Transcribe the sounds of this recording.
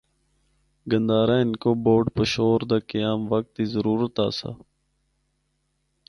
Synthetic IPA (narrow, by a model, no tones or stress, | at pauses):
ɡənd̪aːɾaːɪnkoːboːɖpəʃoːɾd̪aːkəjaːmʋək̚t̪ːiːzəɾuːɾət̪a̰ːsa̰ː